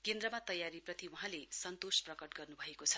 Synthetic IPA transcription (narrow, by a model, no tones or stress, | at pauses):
kend̪rʌmat̪ʌjaɾiprʌt̪iwuɦãlesʌnt̪osprʌkʌʈɡʌrnubʱʌekot͡sʰʌ̥